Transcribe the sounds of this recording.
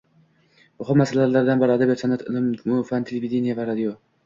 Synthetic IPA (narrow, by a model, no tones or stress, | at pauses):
bʊχʊmmasalalaɾd̪anbaɾɪad̪abijat̪sanat̪ʰɪlɪmmʊfant̪ʰelʲevid̪enijavaɾad̪ijo